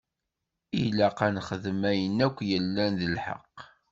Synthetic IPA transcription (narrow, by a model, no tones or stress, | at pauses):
ilæqænχəðəmæjənːækʷːjəlːænðəlħa̰qː